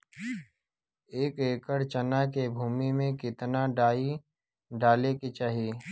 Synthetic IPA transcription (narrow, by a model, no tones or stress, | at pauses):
eːkeːkəɾt͡ʃənakebʱuːmimẽkɪt̪naɖaːi | ɖaːleket͡ʃaːɦieː